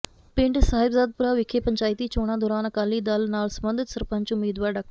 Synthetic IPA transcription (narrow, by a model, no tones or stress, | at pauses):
pẽɳʈsaːɦibzaːd̪̚puɾaʋikʰepəɲt͡ɕaːjt̪iːt͡ɕoːɽ̃ãd̪oːɾaːnɐkaːliːd̪aːlnaːlsəmbənd̪ʱɪt̪səɾpãɲt͡ɕumeːd̪ʋaːɾɖɐk